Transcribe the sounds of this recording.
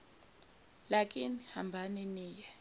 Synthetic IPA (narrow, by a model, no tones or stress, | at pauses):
lakʼinihambʱaniniːjɛ